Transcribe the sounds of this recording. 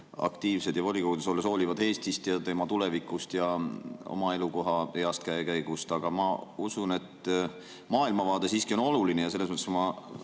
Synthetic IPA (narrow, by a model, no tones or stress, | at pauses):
ɑ̰kt̪iːvse̞d̪jɑvolʲikoɡud̪esolːeso̞ːlivɑd̪e̞ːst̪ist̪jɑt̪e̞mɑt̪ule̞vikˑust̪jɑo̰mɑe̞luko̞ɦɑeɑst̪̚kæekæjɡ̥ust̪ɑɡ̥ɑmɑusune̞t̪ | mɑːilmɑvɑːd̪̥e̞siːskio̞no̞lulinejɑse̞lːesmɤt̪ːesmɑ